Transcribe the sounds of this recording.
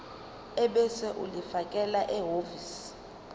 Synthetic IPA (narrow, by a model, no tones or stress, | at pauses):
ɛɓɛsɛʔulifakʼɛlaʔɛɦovis